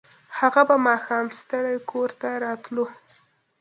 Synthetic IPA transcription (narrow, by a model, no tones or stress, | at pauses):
haɣabamɑxɑmst̪əɽajkʰoɾt̪aɾɑt̪lu